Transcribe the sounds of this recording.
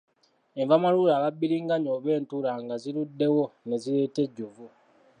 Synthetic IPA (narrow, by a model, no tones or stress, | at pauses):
e̞ɱvamaluːɾaːβabːiɾiːŋɡaɲoːβe̞ːntulaŋɡaziludːe̞wo̞ne̞zile̞ːte̞ɟːuvu